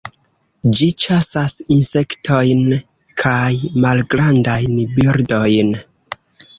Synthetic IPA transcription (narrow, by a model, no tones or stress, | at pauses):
d͡ʒit͡ʃasasinse̞ktʰo̞jn | kʰajmalɡɾandajnbiɾdo̞jn